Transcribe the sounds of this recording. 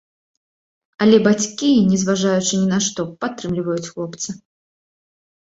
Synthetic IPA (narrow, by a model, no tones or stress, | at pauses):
ɐlʲɛbat͡sʲkʲinʲɛzvaʐajut͡ʂɨnʲinaʂt̪ɔpat̪ːɾɨmlʲivɐjut͡sʲxlˠɔpt̪sɨ